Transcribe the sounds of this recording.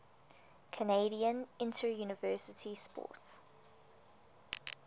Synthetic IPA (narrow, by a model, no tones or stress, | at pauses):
kʰəneɪɾiə̃nɪ̃ntʰəjuːnɪvɜːˑsɪtʰispɔ̰ːˑt